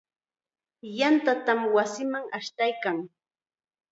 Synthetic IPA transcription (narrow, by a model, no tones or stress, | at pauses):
jant̪at̪amwasɪmaŋaʃt̪ajkaŋ